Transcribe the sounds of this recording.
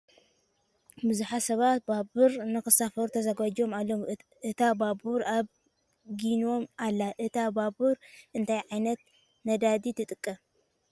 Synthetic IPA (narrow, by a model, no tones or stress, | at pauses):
bɨzuħasɐβat̪̚babɨɾnɨxɨsafɐɾut̪ʰɐzaɡad͡ʒo̞malːo̞m | ɨt̪ʰababuɾaβ | ɡino̞malːaʔɨt̪ʰababuɾʔɨnt̪ʰajʕajnɐt̪ | nɐd̪ad̪it̪ʰɨt̪ʼɨkʼːɐ